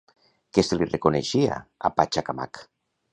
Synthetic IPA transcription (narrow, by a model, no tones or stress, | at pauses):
keselirekoneʃia̰a̰pat͡ʃakama̰k